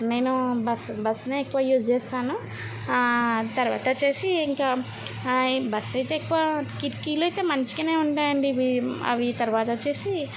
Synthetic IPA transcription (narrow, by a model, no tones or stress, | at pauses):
ne̞ːnubɐsbɐsːneekːuʋaːjuːd͡ʒt͡ʃɛːst̪aːnu | t̪ɐɾuʋa̰ːt̪ɐt͡ʃe̞ːsiːŋkaː | bɐsɐjt̪eːkːuʋaːkiʈkiːloɐjt̪e̞ːmɐɲt͡ʃi̥kine̞ːuɳʈaːjɐɳɖiʋiɐ̰ʋit̪ɐɾʋaːt̪ɐt͡ʃe̞ːsi